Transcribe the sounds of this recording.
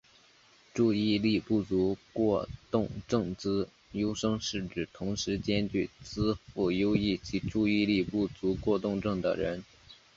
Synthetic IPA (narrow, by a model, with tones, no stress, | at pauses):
ʈ͡ʂu˥˧i˥˧li˥˧pu˥˩t͡su˧˥kwɔ˥˧t̪ʊ˥˧ŋʈ͡ʂɤ˥˧ŋt͡sɹ̩˥ | jo˥ʊʂɤ˥ŋʂɻ̩˥˩ʈ͡ʂɻ̩˨˩t̪ʰʊ˧˥ŋʂɻ̩˧˥t͡ɕjɛ˥nt͡ɕy˥˩t͡sɹ̩˥fu˥˩jo˥ʊi˥˩t͡ɕʰi˧˥ʈ͡ʂu˥˧i˥˧li˥˧pu˥˩t͡su˧˥kwɔ˥˧t̪ʊ˥˧ŋʈ͡ʂɤ˥˩ŋd̪ə̰˩ɻə˧˥n